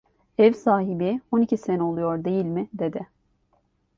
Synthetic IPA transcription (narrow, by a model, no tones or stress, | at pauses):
ɛvsaːɦibio̞nicʰisenɛo̞lˠujo̞ɾd̪e̞jilʲmɪd̪e̞d̪ɪ